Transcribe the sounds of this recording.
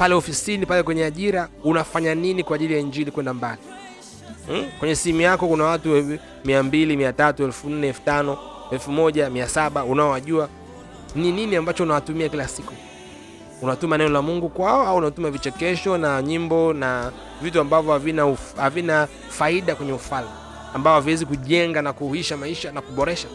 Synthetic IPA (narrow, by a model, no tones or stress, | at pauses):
palɛɔfisinipalɛkwɛɲɛaʄiɾaunafaɲaninikwaːʄilijaiɲd͡ʒilikwɛndambali | kwɛɲɛsiimujakɔkunawatu | miambilimiatatuɛlfun̩nɛɛlfu̥tanɔ | ɛlfumɔʄamiasaɓaunaɔwaʄua | nininiambat͡ʃɔunawatumiakilasiku | unatumanɛnɔlamuŋɡukwaɔauunatumavit͡ʃɛkɛʃɔnaɲimbɔna | vituambavjɔavinahavina | faiɗakwɛɲɛufalmi | ambaɔhaviwɛzikuʄɛŋɡanakuhiʃamaiʃanakuɓɔɾɛʃḁ